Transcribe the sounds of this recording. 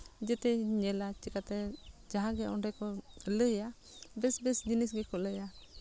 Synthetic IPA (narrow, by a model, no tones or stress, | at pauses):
d͡ʒɛt̪ɛɲɛlat͡ʃikat̪ɛd͡ʒaɦãɡɛɔɳɖɛkɔləɦja | bɛsbɛsd͡ʒinisɡɛkɔləja